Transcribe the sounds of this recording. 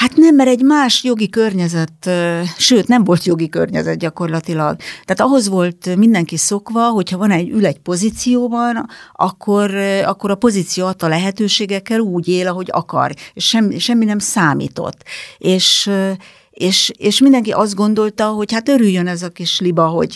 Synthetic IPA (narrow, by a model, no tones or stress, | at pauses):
hat̪nɛmːɛɾɛɟmaːʃjo̞ɡikørɲɛzɛt̪ːʃøːt̪nɛɱvo̞lt̪jo̞ɡikø̰rɲɛ̰zɛt̪̚ɟɒko̞rlɒt̪ilɒɡt̪aːt̪ɒɦo̞zʋo̞lt̪mind̪ɛŋkiso̞kʋɒɦo̞chɒvɒnɛɟːylɛɟpo̞zit̪sijoːbɒnɒ̰kʰːo̞rɒ̰kːo̞ɾɒpo̞zit̪sijoɒt̪ːɒlɛɦɛt̪øːʃeːɡɛkːɛluːɟeːlɒɦo̞ɟɒ̰kɒ̰reːʃʃɛmːiʃɛmːinɛmsaːmḭːt̪o̞̰t̪ːeːʃ | eːʃeːʃmind̪ɛŋkiʔɒzd̪ɡo̞nd̪o̞lt̪ɒɦo̞chat̪øɾyjːønɛzɒkiʃlibɒɦo̰ɟ